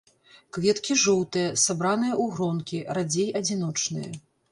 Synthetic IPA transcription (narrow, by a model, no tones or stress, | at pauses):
kvʲɛt̪kʲiʐɔwt̪ɨjɐsabɾanɨjɐʔuɣɾɔnkʲiɾad͡zʲejɐd͡zʲinɔt͡ʂnɨ̰jɐ̰